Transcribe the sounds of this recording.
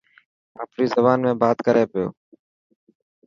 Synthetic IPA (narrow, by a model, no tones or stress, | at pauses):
a̰ːpɾiːzəbaːnmẽːbaːt̪kəɾeːpɪjo̰ː